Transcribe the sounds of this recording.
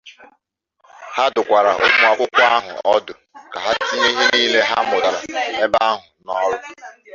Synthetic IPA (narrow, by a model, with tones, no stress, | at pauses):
ha˦dʊ˨kʷa˨ɾa˨ʔo̰˨ɡ͡bʊ˦a˨kʷʊ˦kʷa˦ɦʊ̰˨ɔ˦dʊ˨ | ka˨ɦa˦ti˦ɲe˦ɦi˦niː˦le˦ɦa˦mʊ˨da˨ɾa˨e˦ba˦a˦ɦʊ˨nɔ˦ɾʊ˦